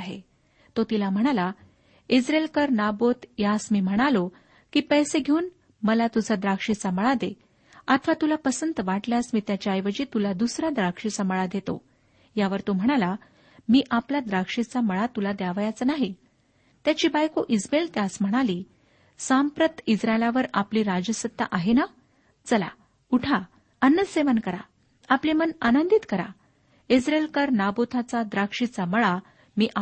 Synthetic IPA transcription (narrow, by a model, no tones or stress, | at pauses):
ɦḛ | t̪ot̪ilam̤əɽ̃ala | id͡zɾelkəɾnabot̪jasmiːm̤əɽ̃alo | kiːpəjseɡʱeuːn | məlat̪ud͡zʱad̪ɾakʂit͡saməɭad̪e | at̪ʰəʋat̪ulapəsənt̪əʋaʈljasmiːt̪jat͡ɕajʋəd͡ʑiːt̪ulad̪usɾad̪ɾakʂit͡saməɭad̪et̪o̰ | jaʋəɾt̪om̤əɽ̃ala | miːʔaplad̪ɾakʂit͡saməɭat̪ulad̪jaʋjat͡sənaɦi | t̪jat͡ɕiːbajkoʔid͡zbelt̪jasm̤əɽ̃aliː | sampɾət̪id͡zɾaelaʋəɾapliːɾad͡ʑəsət̪ːa̰ʔaɦena | t͡səla̰ | uʈʰa | ənːəseʋənkəɾa̰ | aplimənanənd̪it̪kəɾa̰ | id͡zɾelkəɾnabot̪ʰat͡sad̪ɾakʂit͡saməɭa | miːʔa